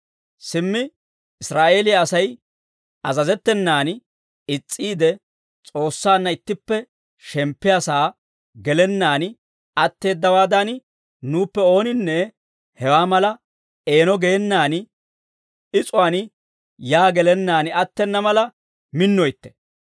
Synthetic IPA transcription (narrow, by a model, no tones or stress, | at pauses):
sɪmːɪ | ɪsɾaːʔe̞ːlɪjaːsɐj | ɐzɐzɛt̪ːɛnːaːn | ɪt͡sʼːiːd̪ɛ | t͡sʼo̞ːsːaːnːɐɪt̪ːɪpːɛ | ʃɛmpːɪjaːsaː | ɡɛlɛnːaːnɪ | ɐt̪ːe̞ːd̪ːɐwaːd̪ɐn | nuːpːɛo̞ːnɪnːɛ | hɛwaːmɐlɐ | e̞ːnɔɡeːnːaːn | ɪt͡sʼʊwaːn | jaːɡɛlɛnːaːnɪɐt̪ːɛnːɐmɐlɐ | mɪnːɔjt̪ːɛ̥